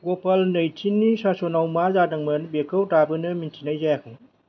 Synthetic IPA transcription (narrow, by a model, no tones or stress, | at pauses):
ɡopalnɯjtʰinːisasonawmazadaŋmɯnbekʰɯwtabɯnɯmintʰinajzajakʰɯŋ